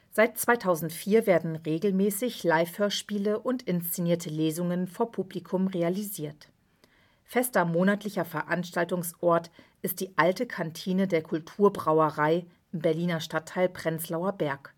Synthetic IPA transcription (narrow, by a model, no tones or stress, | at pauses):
z̥aɪt̚t͡sv̥aɪtʰaʊzn̩tfiːɐveːɐdn̩ʁeːɡl̩mɛːsɪçlaɪfhøːɐʃpiːləʔʊntɪnst͡seniːɐtʰəleːzʊŋənfoːɐpʰublikʰʊmʁealiziːɐt | fɛstɐmoːnatlɪçɐfɛɐʔanʃtaltʊŋsʔɔɐt | ʔɪst̚d̥iːʔaltəkʰantʰiːnədeːɐkʰʊltʰuːɐbʁaʊəʁaɪ | ʔɪmbɛɐliːnɐʃtatʰːaɪlpʁ̥ɛnt͡slaʊɐbɛɐk